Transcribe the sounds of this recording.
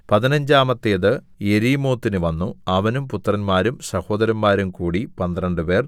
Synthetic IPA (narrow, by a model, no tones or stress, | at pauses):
pɐðinɐɲd͡ʑaːmɐt̪ːeːðɨ | eɾiːmo̞ːt̪ːinɨʋɐnːuɐʋɐnumput̪ːrɐnmaːɾumsɐho̞ːd̪ɐɾɐmːaːɾumkuːɽipɐnd̪rɐɳɖɨpe̞ːr